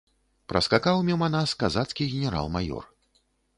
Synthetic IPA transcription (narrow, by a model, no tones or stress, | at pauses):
pɾʔɐ̰skakawmʲɛwmanaskazat̪skʲiɣʲɛnʲɛɾa̰lˠmajɔ̰r